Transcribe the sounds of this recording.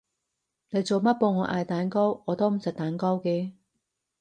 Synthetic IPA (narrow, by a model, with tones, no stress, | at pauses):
ne˨˧jt͡so˨wmɐ˥t̚poː˧ŋɔː˨˧˥ʔaː˨˧jt̪aː˨˥nkɔ˥wŋɔː˨˧t̪oː˥wm̩˨˩t͡sɐ˨k̚t̪aː˨˥nkɔː˥wkeː˧